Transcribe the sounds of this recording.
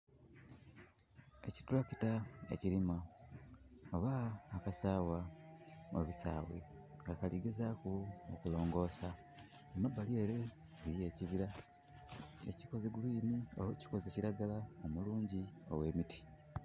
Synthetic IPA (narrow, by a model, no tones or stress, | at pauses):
e̞ci̥tulaci̥taḛcilima | oβaːkasaːwa | mo̰βisa̰ːwḛ | ŋɡakaliɡezakuokulo̞ːŋɡo̞ːsa | emabːalieɾe | ɡiɾie̞ːciβiɾa | ḛciko̞zeɡuliːnio̰woci̥ko̞zeciɾaɡalaomuluːɲɟio̰we̞ːmitʰi̥